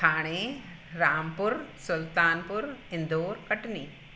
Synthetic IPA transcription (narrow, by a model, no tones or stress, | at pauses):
aːɳ̃eː | ɾaːmpʊɾsʊlt̪aːnpʊɾɪnd̪oːɾkɐʈniː